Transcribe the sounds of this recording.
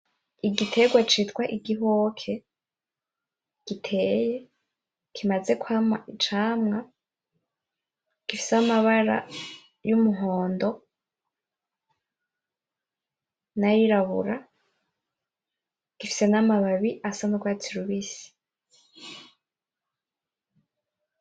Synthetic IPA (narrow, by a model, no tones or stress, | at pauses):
iɡitʰe̞ɡwat͡ʃitkwaʔiɡiɦokʰe̞ | ɡ̥itʰe̞ːje̞ | kʰimaze̞kuhamaʔit͡ʃaːmŋa | ɡ̥ifi̥seamaβaɾa̰ | jumuɦo̞ːndo̞ | najiɾaβṵɾa | ɡ̥ifi̥se̞namaβaβiʔasanuɡwaːtʰiɾuβisi̥